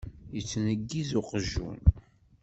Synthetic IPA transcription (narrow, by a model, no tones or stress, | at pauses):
jət͡sːnəɡːizʊqəʒːṵn